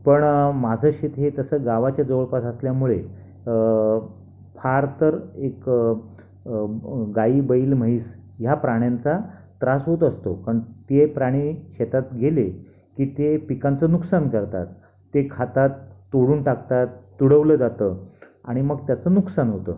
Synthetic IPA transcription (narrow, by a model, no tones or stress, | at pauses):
pəɳmad͡zʱəɕet̪ɦet̪əsəːɡaʋat͡ɕjad͡zəʋəɭpasəsljamuɭe | fʰaɾt̪əɾek | ɡaiːbəiːlm̤əɦiːsjapɾaɽ̃jant͡sat̪ɾasɦot̪əst̪okaɳt̪epɾaɽ̃iːɕet̪at̪ɡʱele | kiːt̪epikant͡sənuksankəɾt̪a̰t̪ː | ekʰat̪at̪ːoɽuːnʈakt̪at̪ːuɽəʋləd͡zat̪əː | a̰ɽ̃iməɡt̪jat͡sənuksanɦot̪ə̰ː